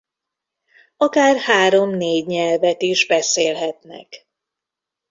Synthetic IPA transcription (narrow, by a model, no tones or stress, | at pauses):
ɒkaːrhaːɾo̞mneːɟɲɛlvɛt̪iʒbɛseːlɦɛt̪nɛ̰k